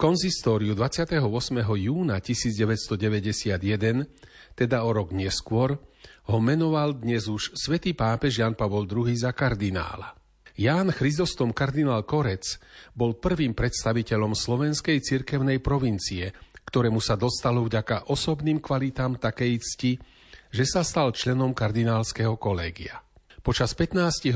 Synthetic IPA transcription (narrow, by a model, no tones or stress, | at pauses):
kɔnsist̪ɔːɾiud̪ʋat͡sɪat̪ɛɦɔʊɔsmɛɦɔjuːnacisiːd͡zɟɛʋɛcst̪ɔɟɛʋɛɟɛsɪad̪jɛd̪ɛn | t̪ɛd̪aɔɾɔɡɲɛskʊɔɾɦɔmɛnɔʋald̪ɲɛzuʃsʋɛt̪iːpaːpɛʒjaːnpaʋɔld̪ɾuɦiːzakaɾd̪ina̰ːla̰ | jaːnxɾizɔst̪ɔmkaɾd̪inaːlkɔɾɛt͡sbɔlpr̩ʋiːmpɾɛt̪st̪aʋicɛʎɔmslɔʋɛnskɛjt͡siɾkɛʊnɛjpɾɔʋint͡siɛkt̪ɔɾɛːmusad̪ɔst̪alɔvɟakaʔɔsɔbniːmkʋalit̪aːmt̪akɛjt͡sci | ʒɛsast̪alt͡ʃlɛnɔmkaɾd̪inaːlskɛɦɔkɔlɛːɡia | pɔt͡ʃaspɛt̪naːsciɦ